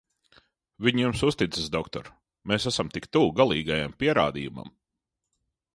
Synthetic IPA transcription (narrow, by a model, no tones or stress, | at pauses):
viɲjumsust̪it̪sɪsd̪ɔkt̪ɔ̰ɾ | meːsæsamt̪ikt̪uːɡalˠiːɡajampiɛɾa̰ːd̪iːjuma̰m